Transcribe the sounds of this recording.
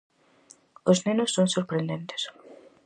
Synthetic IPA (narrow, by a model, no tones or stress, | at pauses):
oznenosːonsoɾpɾend̪ẽnt̪e̥s